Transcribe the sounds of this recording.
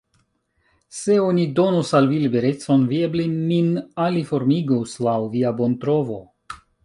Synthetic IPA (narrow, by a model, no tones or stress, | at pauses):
se̞o̞nido̞nusalvilibe̞ɾe̞t͡so̞nviebleminalifo̞ɾmiɡuslawviabo̞ntɾo̞vo̞